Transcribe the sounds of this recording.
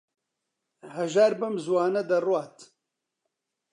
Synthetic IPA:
hɐʒaːɾbɨmzwaːnɐd̪ɐrwaːt̪

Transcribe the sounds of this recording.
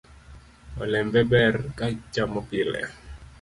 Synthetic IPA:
ɔlɛmbɛbɛrkat͡ʃamɔpilɛ̰

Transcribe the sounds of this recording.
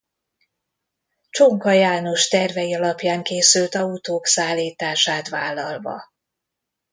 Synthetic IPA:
t͡ʃoŋkɒjaːnoʃt̪ɛrvɛjiɒlɒpjaːŋkeːsylt̪ɒut̪oːksaːlːiːt̪aːʃaːt̪ʋaːlːɒlvɒ̰

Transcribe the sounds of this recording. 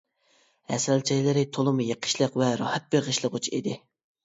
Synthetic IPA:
ɛ̰sɛlt͡ʃʰɛjlɨɾɪt̪ʰolˠɨmjeqʰə̥ʃlˠəqvɛɾɑhɛt̪̚beɾʁəʃlˠəqut͡ʃʰiḭd̪ɪ

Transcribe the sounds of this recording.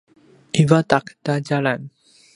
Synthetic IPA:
ivat̪akt̪ad͡ʒalan

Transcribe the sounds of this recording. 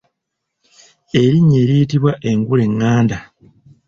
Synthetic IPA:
e̞ɾiɲːeːɾiːtiβwaʔe̞ŋɡule̞ŋːaːnda

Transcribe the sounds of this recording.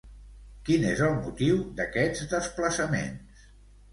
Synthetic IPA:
kinezəlˠmut̪iwd̪əkɛd͡zd̪əspləsəmḛns

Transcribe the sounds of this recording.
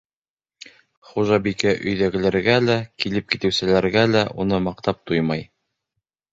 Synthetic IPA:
χuʒɑbikæʔɵ̆jðæɡɘ̆læɾɡælækilɘp̚kit̪ɘ̆wsɘ̆læɾɡælæʔunɤmɑqt̪ɑp̚t̪ujmɑj

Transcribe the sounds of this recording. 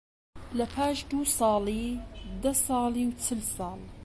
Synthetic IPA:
lɐpʰaːʃd̪uːsɑːliːd̪ɐsɑːliwt͡ʃʰɨlsɑːl

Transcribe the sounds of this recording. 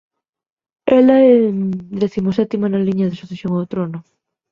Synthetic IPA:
ɛlɐɛd̪eθimosɛt̪imanaliɲɐðesuθesjoŋot̪ɾonʊ

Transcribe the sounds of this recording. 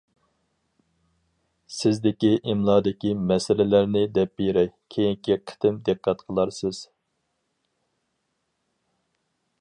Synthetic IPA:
sɪzd̪ɪkʲiʔɪmlˠɑːd̪ɪkʲimɛsɪlɪlæɾnɪd̪ɛp̚beɾɛjkʲʰejiŋkʲiqʰə̥t̪ɪmd̪ɨqʰːɑt̪qʰəlˠɑɾsɨz̥

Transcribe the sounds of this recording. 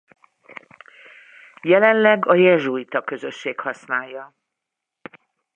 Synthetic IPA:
jɛlɛnlɛɡɒjɛʒuit̪ɒkø̞zø̞ʃːeːkhɒsnaːjːɒ

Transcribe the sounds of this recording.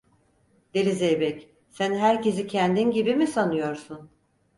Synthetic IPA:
d̪̥elʲizejbɛc | sænɦæɾcʰe̞zicʰɛnd̪inɟibimisanɯjo̞ɾsun

